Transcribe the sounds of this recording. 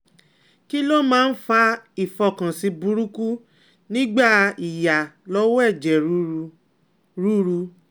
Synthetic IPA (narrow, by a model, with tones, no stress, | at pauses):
ki˦lo˦mãː˦n̩˦fa˧i˨fɔ˧˨kã˨si˧˦bu˧˦ɾu˦ku˦ | nĩ˦ɡ͡ba˦˨i˨ja˨lɔ˧˦wɛ˦˨d͡ʒɛ˨˦ | ɾu˦ɾu˧